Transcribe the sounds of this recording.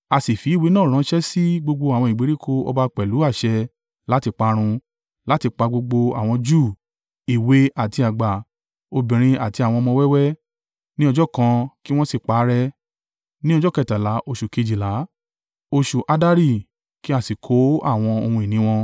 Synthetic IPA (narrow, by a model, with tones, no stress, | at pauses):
a˧si˨fi˨˦˨wi˨˦nãː˦˨ɾ̃ã˨˦ʃɛ˦si˦ɡ͡bo˧ɡ͡bo˧a˨w̃ɔ̃˧i˨ɡ͡be˨˦ɾi˦kʰo˦ɔ̰˧ba˧k͡pɛ˨lu˨˦a˦˨ʃɛ˧ | la˦ti˧k͡pa˧ɾ̃ũ˧ | la˦ti˧k͡pa˧ɡ͡bo˧ɡ͡bo˧a˨w̃ɔ̃˧d͡ʒuː˦˨ | i˨we˨˦ʔa˨ti˧a˨ɡ͡ba˨ | o˧bĩ˨ɾ̃ĩ˧a˨ti˧a˨w̃ɔ̃˧mɔ̃˧wɛ˦wɛ˦ | nĩ˦ɔ˧d͡ʒɔ˦kã˧ki˦w̃ɔ̃˦si˦˨k͡pa˨˦ɾɛ˦ | nĩ˦ɔ˧d͡ʒɔ˦kɛ˦˨ta˨la˨˦ʔo˧ʃu˨ke˧d͡ʒi˨la˨˦ | o˧ʃu˨ʔa˧da˦ɾi˦˨ | ki˦a˧˨si˨kʰo˨˦a˦˨w̃ɔ̃˧o˧hũ˧i˨nĩ˨˦w̃ɔ̃˧